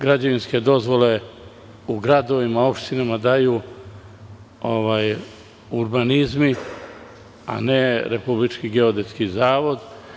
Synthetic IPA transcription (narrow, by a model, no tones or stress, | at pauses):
ɡɾad͡ʑaʋinske̞d̪o̞zʋo̞le̞ | uɡɾad̪o̞ʋimao̞pʃt̪inamad̪ajuː | oʋaːj | uɾbanizmi | a̰neɾepublit͡ʃkiɡeo̞d̪eskizaːʋo̞d̪